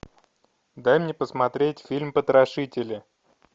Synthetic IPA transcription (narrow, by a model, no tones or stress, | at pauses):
d̪ajmnʲepəsmɐt̪ɾʲetʲfʲilʲmpət̪ɾɐʂɨtʲɪlʲɪ